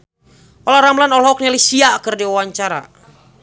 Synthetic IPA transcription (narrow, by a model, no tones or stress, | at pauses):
ʔɔlaɾamlanɔlɦɔk̚nalisiakərdiawaɲt͡ʃaɾa̰